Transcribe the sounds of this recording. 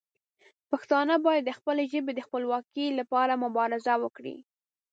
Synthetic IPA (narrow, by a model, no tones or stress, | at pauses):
paxt̪ɑnəbɑjad̪ːəxpəleʒəbed̪əxpəlwɑkilapɑɾamʊbɑɾɪzawəkɽḭ